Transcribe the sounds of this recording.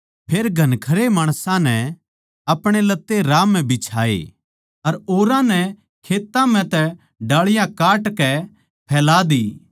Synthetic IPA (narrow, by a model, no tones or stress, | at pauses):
pʰeːɾɡʱɐnkʰɐɾemaːɽ̃sãnɛ | ɐpɽ̃elɐt̪ːeɾaːmːɛ̃bɪt͡ʃʰaːḛ | ɐɾoːɾãnɛ | kʰeːt̪ːãmɛ̃t̪ɛ | ɖaːɭɪjãkaːʈkɛ | pʰɛːlaːd̪iː